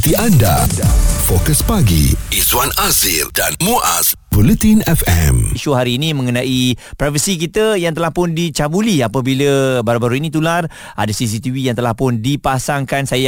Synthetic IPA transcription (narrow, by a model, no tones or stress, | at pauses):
t̪iʔandafokəspaɡiʔiswanazildanmuʔa̰s | bulət̪ĩnɛfɛ̰mʃuɦaɾiːnĩmə̃ŋənãʔipɾɛfənsik̬it̪əjaŋt̪əlahpʊndit͡ʃabuliapabiləbaɾubaɾuinĩt̪̬ular | ʔa̰dasis̬it̪ivijaŋt̪əlahpʊndipasaŋkansaja